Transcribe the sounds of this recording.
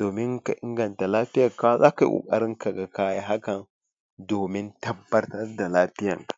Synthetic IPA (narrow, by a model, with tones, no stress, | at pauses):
d̥o˨mi˦ŋka˨ʔi˦ŋɡa˨nta˨laː˦ti˦ja˦˨ka˦za̰˦ka˨ʔṵ˨kʼa̰˨˦ɾi˦ŋka˨ɡa˨ka˦ja˦ɦa˦ka˨n | doː˨mi˦nta˦bːa˦ɾta˦da˨laː˦ti˦ja̰˨ŋkḁ˨